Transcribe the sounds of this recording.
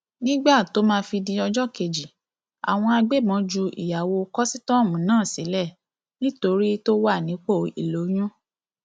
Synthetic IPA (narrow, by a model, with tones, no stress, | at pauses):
nĩ˦ɡ͡ba˦˨to˨˦mãː˦˧fi˧di˧ɔ˧d͡ʒɔ˦ke˧d͡ʒi˨ | a̰˨w̃ɔ̃˧a˧ɡ͡be˦˨mɔ̃˨˦d͡ʒu˧ḭ˨ja˨wo˧kɔ˦si˦tɔ̃˦˨mũ˨˦nãː˦˨si˨˦lɛ˦˨ | nĩ˦to˧ɾi˦to˦wa˦˨nĩ˨˦k͡po˦˨i˨lo˨˦j̃ũ˦